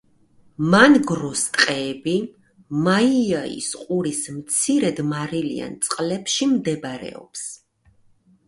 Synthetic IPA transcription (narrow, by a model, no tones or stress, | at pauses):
manɡɾɔst̪ʼqʼɛːbi | maiaḭsqʼuɾismt̪sʰiɾɛd̪maɾilḭa̰nt̪sʼqʼlɛpʃimd̪ɛbaɾɛ̰ɔ̰ps